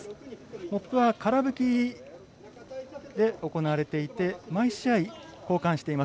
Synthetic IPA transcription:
mo̞pːɯ̟βakaɾabɯ̟kʲi | d̪e̞o̞ko̞naβaɾe̞t̪e̞it̪e̞maiɕiaiko̞ːkãɰ̃ɕi̥t̪e̞imas

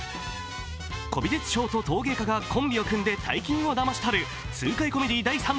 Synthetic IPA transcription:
ko̞bʲid̪et͡sɨ̥ɕo̞ːt̪o̞t̪o̞ːɡe̞ːkaɡakʰõ̞mbʲio̞kɯ̟̃nd̪e̞t̪ʰa̰ikʲĩɰ̃o̞d̪amaɕi̥t̪ʰaɾɯ̟ | t͡sɨːkaiko̞me̞d̪ʲid̪aisãn

